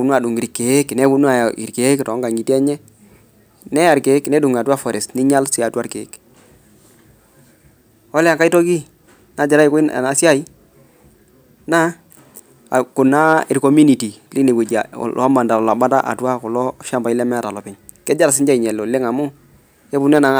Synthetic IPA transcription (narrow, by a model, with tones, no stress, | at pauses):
u˨n˦a˨du˨ŋi˨ɾi˨kːe˨e˦knɛ˦bu˦nu˦a˨ḭ˨ɾke˨˦ktɔ˨˦ŋɡa˨ɲi˨ti˦ɛ˦ɲɛ˦ | nɛ˦a˨ɾke˨˦knɛ˦du˨ŋa˨twa˦fɔ˨ɾɛ˨snɪ˦ɲa˦lsi˦a˨ta˦ɾkḛ˨˦k | ɔ˦lɛ˦a˨ŋka˦i˦tɔ˦ki˦ | na˨˦d͡ʒa˨ɾa˦i˦kʊ˦ɪ˦na̰˨na˨sja˦i˦ | na˦˨ | kʊ˨na˦ɪ˨ɾko˦mu˦ni˨ti˨li˦ne˨ɡe˨d͡ʒa̰˨la˦ma˨nda˨lɔ˨la˨ba˦ta˦ʔa̰˨twa˦kʊ˨lɔ˦ʃa˦mba˨i˦lɛ˦mɛ˦a˨ta˨lɔ˨pɪ˨˦ɲ | kɛ˦d͡ʒa˦ɾa˨sɪ˦nd͡ʒa˦i˨ɲɛ˨lo˨lɪ˦ŋa˨mʊ˦ | jɛ˦bʊ˨n˦na˨